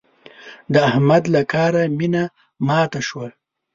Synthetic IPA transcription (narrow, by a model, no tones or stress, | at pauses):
d̪əahmad̪lakɑːɾamina | mɑːt̪aʃwa